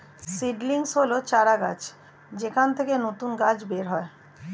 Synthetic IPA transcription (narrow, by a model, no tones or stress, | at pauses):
siɖliŋsɦolot͡ɕaɾaɡa̰t͡ɕ | d͡ʑekʰant̪ʰekenot̪unɡad͡ʑbeɾɦɔe